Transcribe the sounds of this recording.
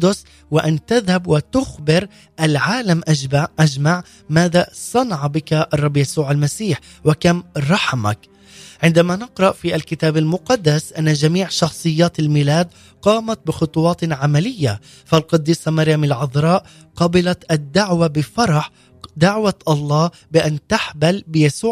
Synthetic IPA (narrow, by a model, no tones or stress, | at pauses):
d̪ʊs | waʔant̪aðhabwat̪ʊxbɪɾ | ʔalʕaːlamʔaʔad͡ʒmaʕ | maːðasˤɑnɑʕbɪkaʔɑrˤːɑbːjasuːʕalmasiːħ | wakamɾˤɑħma̰k | ʕɪnd̪amanɪqɾˤɑʔfiːʔalkɪt̪aːbalmʊqɑd̪ːasʔanːad͡ʒamiːʕʃɑxsˤɨjːaːt̪almilaːd̪ | qɑːmat̪̚bɪxʊt̪ˤuwɑːt̪ʕamalɪjːa̰ | falqɑd̪ːiːsˤɑmaɾjamalʕʊðˤɾˤɑːʔ | qɑbɪlat̪ʔad̪ːaʕwabɪfɑɾˤɑħ | d̪aʕwat̪ʔɑlˤːɑː | bɪʔant̪aħbalbɪjasuː